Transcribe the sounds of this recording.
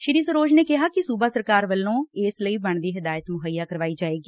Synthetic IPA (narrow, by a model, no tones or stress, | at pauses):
ʃɪɾiːsəɾoːd͡ʒneːkɪɦaːkɪsuːbaːsəɾkaːɾʋəlːõːɪːsləiːbəɳd̪iːɦɪd̪aːjət̪mʊɦəijaːkəɾʋaːiːd͡ʒaːeːɡiː